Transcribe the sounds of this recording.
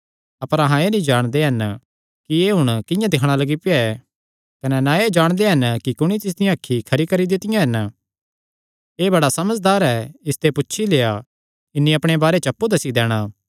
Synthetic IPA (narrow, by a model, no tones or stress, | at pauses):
ɐpəɾɐɦãenĩd͡ʒaːɽ̃d̪eɦɐn | kieːɦʊɽ̃kɪ̃jãd̪ɪkʰɽ̃alɐɡipɪaɛ | kɐnɛnãeːd͡ʒaːɽ̃d̪eɦɐnkikʊɽ̃it̪ɪs̬d̪ijãɦɐkʰːikʰɐɾikɐɾid̪ɪt̪ɪjãɦɐn | eːbɐɽasɐməd͡ʒd̪aːɾɦɛɪst̪epʊtːʃʰileːa | ɪnːĩɐpɽ̃ebaːɾet͡ʃɐpːud̪ɐsid̪ɛːɽ̃aː